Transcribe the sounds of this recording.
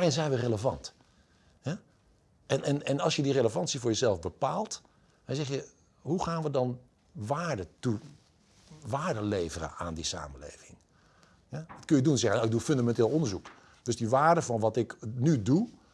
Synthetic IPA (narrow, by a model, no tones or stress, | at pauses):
arɪnzɛjnʋəreləvɑ̰nt | hɛ | ʔɛnɛnɛnɑlˠsjədireləvɑntsivoːɹjəzɛlˠfbəpaːlˠt | ɛnzɛχjə | ɦuχaːnʋədɑn | ʋaːɹdətu | ʋaːɹdəleːvərə̰aːndisa̰ːməlḛjvɪŋ | jɛʋɔtkønjədunnzɛχənaɪɡ̚dufɵndamɛnteːlˠondəɹzuk | d̥øsdiʋaːɹdəfɑnʋɑtɪknydu